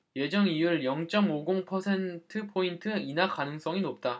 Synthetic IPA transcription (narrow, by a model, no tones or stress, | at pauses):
je̞d͡ʑʌŋijuɭjʌŋt͡ɕ͈ʌmoɡoŋpʰʌsʰe̞ntʰɯpʰointʰɯinakanɯŋs͈ʌŋinop̚t͈a